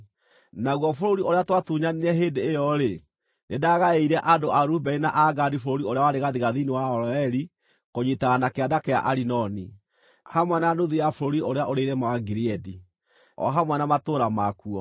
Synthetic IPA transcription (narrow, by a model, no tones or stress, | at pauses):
naɣwɔfoɾoɾioɾeatwatuɲaniɾɛɦendeːjɔɾe | nedaɣaeiɾɛʔadoʔaɾubɛinaʔaɡadifoɾoɾioɾeawaɾeɣaðiɣaðiniwaɔɾɔɛɾi | koɲitaɣanakeadakea̰ʔaɾinɔni | hamwɛnaanoðiafoɾoɾioɾeaʔoɾeiɾɛmaaɡiɾiɛdi | ɔ̰ɦamwɛnamatoːɾamakuɔ